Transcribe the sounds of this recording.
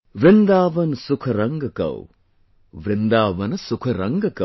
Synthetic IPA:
ʋɾɪnd̪aːʋɐnɐsukʰɐɾɐŋɡɐkɐ̰w | ʋɾɪnd̪aːʋɐnsukʰɐɾɐŋɡɐkɐ̰

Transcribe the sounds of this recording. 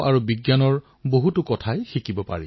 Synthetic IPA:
ʔaɹubiɡjanɔɹ | boɦutʊkɔtʰajxikibɔpa̰ɹḭ

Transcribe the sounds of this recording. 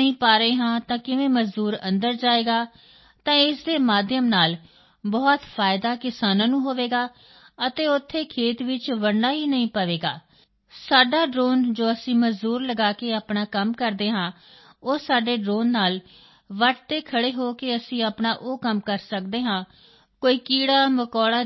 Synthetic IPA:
ĩːpaːɾeːɦãːt̪ãːkɪʋẽːməzd̪uːɾə̃nd̪əɾd͡ʒaːeːɡaː | t̪ãːɪsd̪eːmaːd̪jəmnaːl | bɔːt̪pʰaːɪd̪aːkɪsaːnãːnũːɦoːʋeːɡaː | ət̪eːʊt̪ʰːeːkʰeːt̪ʋɪt͡ʃʋəɳɖaːɦiːnəĩːpəʋeːɡa̰ː | saːɖaːɖɾoːnd͡ʒoːəsĩːməzd̪uːɾləɡaːkeːaːpɳaːkəmkəɾd̪eːɦãː | oːsaːɖeːɖɾoːnːaːl | ʋəʈt̪eːkʰəɽeːɦoːkeːəsĩːaːpɳaːʔoːkəmkəɾsəkd̪eːɦãː | koːiːkiːɽaːməkɔːɽaː

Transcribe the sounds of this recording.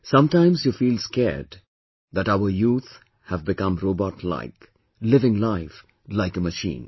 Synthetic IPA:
sʌ̃mtãɪ̃mzjufiːlskɛɹd | d̪æʈaʊəɾjuːt̪ | hævbɪkʌ̃mɾoːbɔʈʰla̰ɪk | lɪvɪ̃ŋlaɪf | laɪkəməʃḭ̃ːn

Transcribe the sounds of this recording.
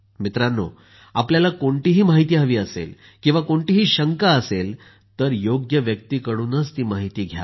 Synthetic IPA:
mit̪ɾanːo̰ | apljalakoɳʈiːɦiːmaɦit̪iːɦəʋiːəsḛl | kĩw̃ʋakoɳʈiːɦiːɕəŋkaəsel | t̪əɾjoɡjəʋjək̚t̪iːkəɽuːnət͡st̪iːmaɦit̪iːɡʱja̰

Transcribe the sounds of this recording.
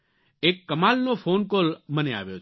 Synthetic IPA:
ekːəmalnofonkolmənea̰ʋjot͡ʃ

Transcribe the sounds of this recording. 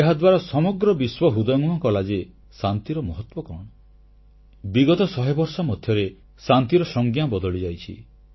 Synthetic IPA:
eɦad̪waɾɔsɔmɔɡɾɔbiswɔɦud̪ɔjŋuɔkɔlad͡ʒe | sant̪iɾɔmɔɦɔt̪wɔkɔ̰ɽ̃ɔ | biɡɔt̪ɔsɔɦebɔɾsɔmɔd̪ʱjɔɾe | sant̪iɾɔsɔŋɡjabɔd̪ɔɭid͡ʒajt͡ʃʰḭ

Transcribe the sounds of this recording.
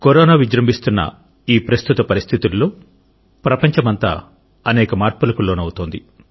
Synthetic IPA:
koɾoːnaːʋid͡ʒɾɐmbʱist̪unːɐ̰ | iːpɾɐst̪ut̪ɐpɐɾist̪ʰit̪ulːo̞ː | pɾɐpɐɲt͡ʃɐmɐnt̪a̰ː | ɐnɛːkɐmaːɾpulɐkuloːnɐwut̪oːnd̪i

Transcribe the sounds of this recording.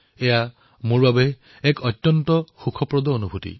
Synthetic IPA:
ɛja | mʊɹbabɛ | ɛkɔtːjɔntɔxukʰɔpɹɔd̪ɔonubʱutḭ

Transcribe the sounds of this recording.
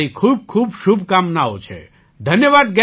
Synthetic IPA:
ikʰuːb̚kʰuːbʃubkamnao̰t͡ʃʰḛ | d̪ʱənjəʋaːd̪̚ɡɛ

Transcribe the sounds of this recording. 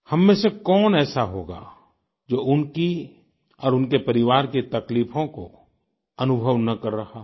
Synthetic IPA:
hɐmːẽsekɔːnɛːsaɦoːɡa̰ː | d͡ʒoːʔʊnki | ɔːɾʊnkepɐɾɪʋaːɾket̪ɐkliːfõko̰ | ɐnʊbʱəʋnɐkɐɾːɐhaː

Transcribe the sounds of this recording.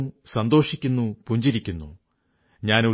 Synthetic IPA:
usɐnd̪o̞ːʂikʲːunːupuɲd͡ʑiɾikʲːunːṵ | ɲaːnu

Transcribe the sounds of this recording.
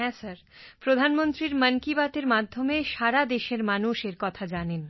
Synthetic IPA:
ɛsəɾpɾod̪ʱanmont̪ɾiɾməŋkibat̪eɾmad̪ʱːomeʃaɾad̪eʃeɾmanuʃeɾkɔt̪ʰad͡ʑanen

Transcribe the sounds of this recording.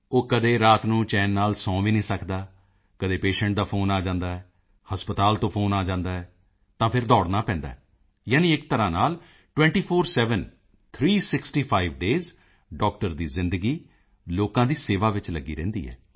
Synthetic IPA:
oːkəd̪eːɾaːt̪nũːt͡ʃɛːnːaːlsɔ̃ːʋiːnĩːsəkd̪aː | kəd̪eːpeːʃɛ̃ːɳʈ̚d̪aːpʰoːnaːd͡ʒãːnd̪aːɛː | həspət̪aːlt̪õːpʰoːnaːd͡ʒãːnd̪aːɛː | t̪ãːpʰɪɾd̪ɔːɽnaːpɛ̃ːnd̪a̰ːɛː | jaːnĩːɪk̚t̪əɾãːnaːl | ʈwɛ̃ːɳʈiːpʰoːɾsɛːʋən | t̪ʰɾiːsɪksʈiːpʰaːiʋɖeːz | ɖɔːk̚ʈəɾd̪iːzɪ̃nd̪əɡiː | loːkãːd̪iːseːʋaːʋɪt͡ʃləɡːḭːɾɛ̃ːnd̪ḭːɛ̰ː

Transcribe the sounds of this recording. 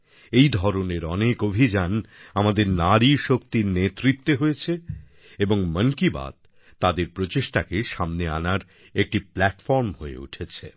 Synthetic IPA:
ejd̪ʱɔɾoneɾɔnekobʱid͡ʑanamad̪eɾnaɾiʃok̚t̪iɾnet̪ɾit̪ːeɦoet͡ɕʰe | eboŋməŋkiba̰d̪̚ | t̪ːad̪eɾpɾot͡ɕeʃʈakeʃamnea̰naɾ | ek̚ʈiplɛʈfɔɾmhoḛṵʈʰet͡ɕʰḛ

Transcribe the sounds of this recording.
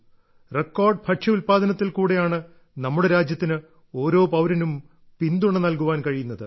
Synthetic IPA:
rekːoːrɖpʰɐʈʂɐulpaːd̪ʱɐnɐt̪ːilkuːɽejaːɳɨ | nɐmːuɽe̞ɾaːd͡ʑjɐt̪ːinɨ | o̞ːɾo̞ːpɐwɾɐnum | pind̪uɳːenɐlkuʋaːnkɐɻijunːɐðɨ

